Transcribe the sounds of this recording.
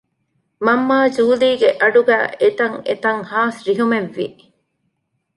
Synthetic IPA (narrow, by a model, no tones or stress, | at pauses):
mɐmːaːd͡ʒuːliːɡeʔɐɖuɡæ̰ːet̪ɐŋet̪ɐŋhaːsɾiɦumeʋːḭ